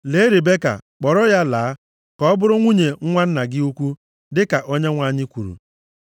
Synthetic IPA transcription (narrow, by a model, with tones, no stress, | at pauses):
le˨˦ɾe˨be˦ka̰˨k͡pɔ˨ɾɔ˦ja˦laː˨˦ | kɔ˨˦ɔ˦bʊ˦ɾʊ˦ŋʷu˦ɲe˨ŋ̩˦ŋʷa˦n̩˦na˨ɡɪ˦u˦kʷu˦ | dɪ˦ka˨ʔo˦ɲe˦ŋʷa˦˨ɲɪ˦kʷu˨ɾṵ˨